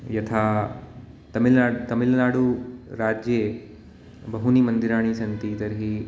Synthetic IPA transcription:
jɐt̪ʰaː | t̪ɐmilnaːɽut̪ɐmilnaːɽuɾaːd͡ʒje | bɐɦunimɐnd̪iɾaːɳ̃isɐnt̪it̪ɐɾɦi

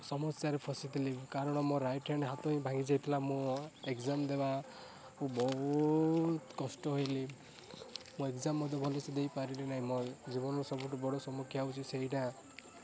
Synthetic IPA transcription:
sɔmɔsjaɾepʰɔsit̪ʰilikaɾɔɽ̃ɔmɔɾajʈʰanɦat̪ɔɦĩbʱaɡid͡ʒajt̪ʰilamũekzamd̪eba | ũbɔɦut̪kɔsʈɔɦojli | mũekzamːɔd̪ʱɔbʱɔlisɔd̪ejpaɾiɾenaɦĩmɔjd͡ʒibɔnɔɾɔsɔbuʈubɔɽɔsɔmukʰjaut͡ʃʰiseɦiʈã

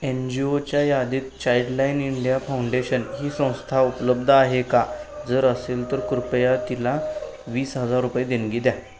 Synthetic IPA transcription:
end͡ʑiot͡ɕjajad̪iːt̪̚t͡ɕajɖlainiɳɖijafauɳɖeɕənɦiːsə̃w̃st̪ʰaupləb̚d̪ʱəaɦekad͡zəɾəselt̪əɾkuɾupjat̪ila | ʋiːsɦəd͡zaɾːupjed̪enɡid̪ja

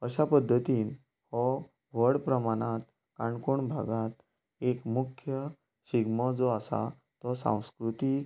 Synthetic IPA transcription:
əɕapəd̪ʱːət̪iːn | hɔ | ʋəɽpɾəmaɽ̃at̪̚ | kãɳkoɳbʱaɡat̪̚ | ekmukʰjə | ɕiɡmɔd͡zoasa̰ | t̪ɔsã̰w̃skɾut̪ik

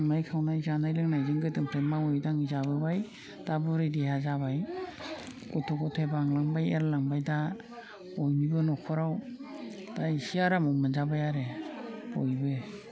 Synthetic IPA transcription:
majkʰawnajzanajlɯŋnajzɯŋɡɯdɯmpʰɾemaɔjdaŋizaβɯbaj | d̥abɔɾɯdihazaβaj | ɡɔtʰɔɡɔtʰebaŋlaŋbajeɾlaŋbajda | ɔjnibɯnɔkʰɔɾaw | d̥aisiaɾamɔmɯnzabajaɾebɔjbɯ

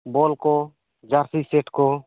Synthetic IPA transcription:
bolkɔ | d͡ʒaɾsiseʈkɔ

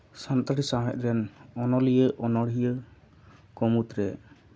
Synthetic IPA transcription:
sant̪aɾisaɦɛ̰t̪̚ˀɾɛnɔnɔlijəʔɔnɔɽɦijə | kɔmut̪ɾɛ

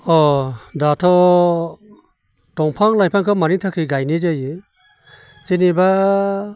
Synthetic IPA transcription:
ɔdatʰɔ | tɔŋpʰaŋlajpʰaŋkʰɯmaɾiŋtʰakʰɯɡajnid͡ʒajɯ | t͡ʃeniba

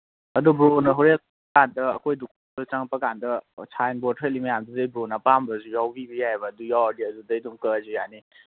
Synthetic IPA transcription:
ɐdubɾonɐɦɔɾe | kandɐ̰ːkʰojduk | dut͡ʃaŋpɐkandɐt͡ʃʰajnbɔtʰelimɐjamduzajbɾonapambɐzujawbibijabɐdujawadiɐdudajdumkəzujani

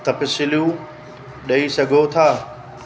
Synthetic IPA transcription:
t̪ɐpɪsɪljũ | ɗɐisɐɡʱot̪ʰaː

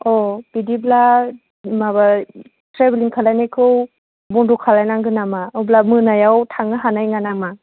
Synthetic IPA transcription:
ɔb̥idibla | maba | tɾebiliŋkʰalajnajkʰɯw | bɔndɔkʰalajnaŋɡɯnamaɯblamɯnajawtʰaŋɯɦanajŋanama

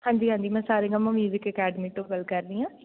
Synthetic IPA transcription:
hãːɲd͡ʒiɦãːɲd͡ʒimɛ̃ːsaːɾẽɡãmãmjuːzɪkəkɛːɖmiːʈõːkəlkɐɾd̪iãː

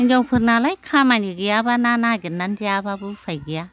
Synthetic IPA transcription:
nd͡ʒawpʰɯɾnalajkʰamaniɡijabananaɡinandiababɯpʰajɡija

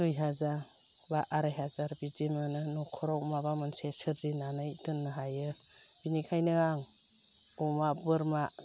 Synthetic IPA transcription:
tujɦazaɾ | baʔaɾajɦazaɾbidimɯnɯnɔkʰɔɾɔwmabamɯnsesɯɾzinanɯjtɯnːɯɦajɯ | b̥inikʰajnɯaŋ | ɔmabɯɾma

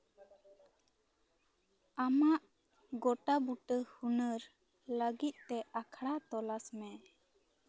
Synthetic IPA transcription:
amaʔ | ɡɔʈabuʈəhunəɾ | ləɡit̪̚ˀt̪ɛakʰɽat̪ɔlasmɛ

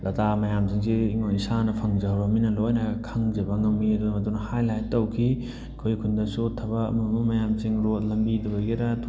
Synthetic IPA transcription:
dɐtʰamɐjamsiŋsiːŋonisanɐpʰɐŋzɐɦɾɐminɐlojnɐkʰaŋd͡ʒɐbɐŋɐmidumɐt̬unɐhajlajtɐwkʰi | kʰojkʰundɐsutʰɐbɐ̰mɐmumɐjamsiŋɾot̚lɐmbidubɐɡiɾɐtʰ

